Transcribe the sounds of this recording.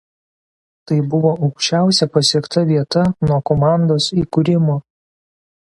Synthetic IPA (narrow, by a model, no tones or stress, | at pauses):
t̪ɐɪbʊʋoːʔɐʊkʃʲt͡ʃʲæˑʊsʲɛpɐsʲiɛkt̪ɐʋʲiɛt̪ɐnuɔkɔmɑˑnd̪oːsiːkʊɾʲɪmoː